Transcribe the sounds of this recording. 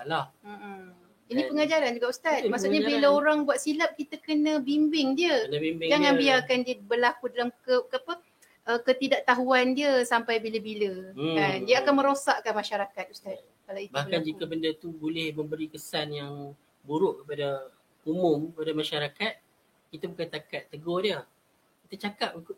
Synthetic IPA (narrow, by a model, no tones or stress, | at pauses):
alahm̩ʔ | inĩpəŋad͡ʒaɾand͡ʒuɡaʔust̪at̪maʔsuʔɲabiləoɾaŋbwat̪silap̚kit̪əkənə̃bimbɪŋdiəənəbimbɪd͡ʒaŋanbiarkandiəbərlakudalamkəkapə | ʔəkət̪idaʔt̪aɦuandiəsampajbiləbiləandiəakanmə̃ɾosaʔkanmaʃaɾakat̪̚ust̪at̪̚ | kalait̪bahand͡ʒikəbəndət̪ubolɪhmə̃mbəɾikəsanjaŋ | buɾʊʔkəpada | umʊmkəpadamãʃaɾakat̪̚ | kit̪abukant̪akat̪ːəɡɔdiə | kit̪at͡ʃakap̚uk